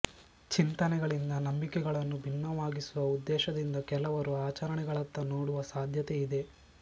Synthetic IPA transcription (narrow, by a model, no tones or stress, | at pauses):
t͡ʃint̪ɐnɛɡɐɭind̪ɐnɐmbikɛɡɐɭɐnːubʱinːɐʋaːɡisuʋɐud̪ːɛːʃɐd̪ind̪ɐkɛlɐʋɐɾuaːt͡ʃɐɾɐɳɛɡɐɭɐt̪ːɐnoːɽuʋɐsaːd̪ʱjɐt̪eid̪e̞